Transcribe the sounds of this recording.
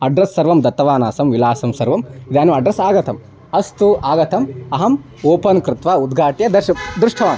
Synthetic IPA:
ɐɖɾɐsːɐɾʋɐmd̪ɐt̪ːɐʋaːnaːsɐmʋilaːsɐmsɐɾʋɐmid̪aːnɐɐɖɾɐsaːɡɐt̪ɐm | ɐst̪uaːɡɐt̪ɐmɐɦɐm | oːpɐnkɾɪt̪ʋaːud̪ɡʱaːʈjɐd̪ɐʃɐd̪ɾuʂʈʰɐʋaːn

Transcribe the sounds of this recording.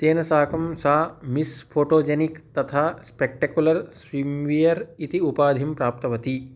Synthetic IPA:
t̪eːnɐsaːkɐmsaːmispʰoːʈoːd͡ʒenikt̪ɐt̪ʰaːspek̚ʈɐkjulɐɾsʋimʋijɐɾit̪iupaːd̪ʱimpɾaːp̚t̪ɐʋɐt̪i

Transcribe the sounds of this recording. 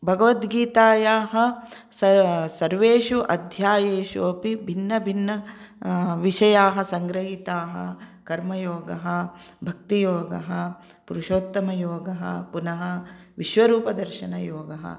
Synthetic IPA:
bʱɐɡɐʋɐt̪ɡiːt̪aːjaːɦɐ | sɐsɐɾʋeːʃuʔɐd̪ʱjaːjeːʃuːɐpibʱinːɐbʱinːɐ | ʋiʂɐjaːɦɐsɐŋɡɾɐɦit̪aːɦɐkɐɾmɐjoːɡɐɦɐ | bʱɐk̚t̪ijoːɡɐɦɐ | puɾuʃoːt̪ːɐmɐjoːɡɐɦɐ̰punɐɦɐ | ʋiʃʋɐɾuːpɐd̪ɐɾʃɐnɐjoːɡɐɦɐ̰

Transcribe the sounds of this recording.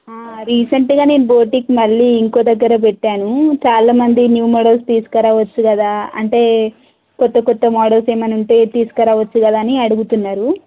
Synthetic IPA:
ɾiːsɐɳʈɡaːne̞ːnuboːʈikmɐɭːiːŋko̞ːd̪ɐɡːɐɾɐp̬ɛʈːaːnut͡ʃaːlaːmɐnd̪injuːmɔːɽɐlst̪iːsu̥kɐɾaːʋɐt͡ʃːukɐd̪aːɐ̰ɳʈe̞ː | kɔt̪ːɐkɔt̪ːɐmɔːɽɐlse̞ːmɐnuɳʈe̞ːt̪iːsu̥kɐɾaːʋɐt͡ʃːukɐd̪aːniɐɽuɡut̪unːaːɾu

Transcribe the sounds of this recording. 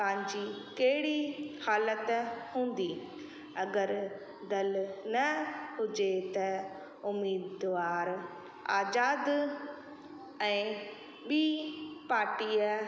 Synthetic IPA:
paɦɪ̃ɲd͡ʑikɐɦɪɽihaːlət̪hũːn̆d̪i | ɐɡəɾ | d̪ɐlnɐɦʊd͡ʑet̪ɐ | ʊmiːd̪ʋaːɾ | aːzaːd̪ | ɛ̃ː | ɓiːpaːɾʈiːə

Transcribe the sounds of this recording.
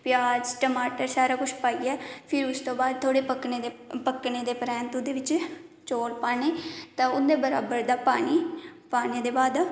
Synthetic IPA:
pjaːd͡ʒʈəmaːʈəɾsaːɾaːkʊt͡ʃʰpaːiːɛːpʰɪɾʊst̪õːbaːd̪̚t̪ʰoːɽeːpəkned̪epəkːneːd̪eːpɾɛ̃ːnt̪ʊd̪eːʋɪt͡ʃt͡ʃoːlpaːneːt̪ãːʊd̪eːbəɾaːbəɾd̪aːpaːɳiːpaːneːd̪eːbaːd̪

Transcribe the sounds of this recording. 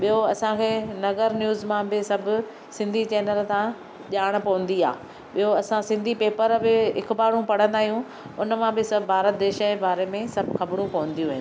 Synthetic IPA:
ɓijoɐsãkʰeːnɐɣəɾnjuːzmãbɪsɐbʱʊ̆ | sɪ̃nd̪ʱit͡ɕɛːnəlt̪ã | ʄaːɽ̃pɐʋə̃nd̪ia̰ː | ɓijoɐsãsɪ̃nd̪ʱipeːpəɾbɪɦɪkʊbaːɽ̤ũpɐɽ̤ə̃nd̪aːɦijũ | ʊnəmãbɪsɐbbʱaːɾət̪̚d̪eːʃəebaːɾemẽsɐbʱxɐbɪɽũpɐʋə̃nd̪ijũʋɪ̃ñ

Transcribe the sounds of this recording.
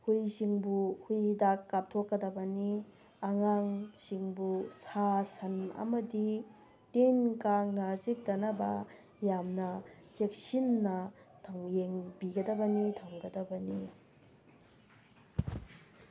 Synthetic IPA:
hujsiŋbuhujdakːap̚tʰokːɐdɐbɐni | ɐŋaŋsiŋbusasɐnɐ̰mɐdi | tenkaŋnazik̚dɐnɐbɐ | jamnɐsek̚sinːɐtʰɐŋjeŋbiɡɐdɐbɐnitʰɐwŋɡɐdɐbɐni

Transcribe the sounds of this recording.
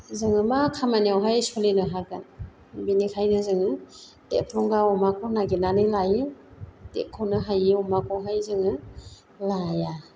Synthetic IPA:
zɯŋɯmakʰamaniawɦajsɔlinɯɦaɡan | binikʰajnɯzɯŋɯ | d̥epʰɾɔŋɡaɔmakʰɔnaɡinanɯlajɯdḛkʰɔwnɯɦajiɔmakʰɔwɦajzɯŋɯ | laja

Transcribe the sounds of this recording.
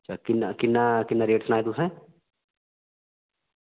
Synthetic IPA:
ɐt͡ʃʰakɪnakɪnːakɪnːaɾeːʈsnaːjt̪usɛ̃

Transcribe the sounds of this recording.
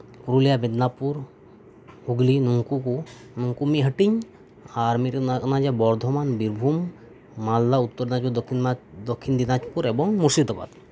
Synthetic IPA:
puɾulijabed̪napuɾ | huɡlinuŋkuku | nuŋkumiɦəʈiɲ | aɾmiɾnaknad͡ʒabɔɾd̪ʱɔmanbiɾbʱumː | allaut̪ːɔɾd̪inaud̪ɔiad̪ɔkʰːind̪inat͡ʃpuɾɛbɔŋmusid̪ɔba̰d̪

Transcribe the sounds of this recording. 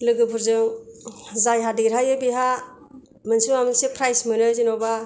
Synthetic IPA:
lɯɡɯbuɾzɯŋ | zajɦadiɾajɯbiɦa | mɯnsuamɯnsepʰɾajsmɯnɯzinɔba

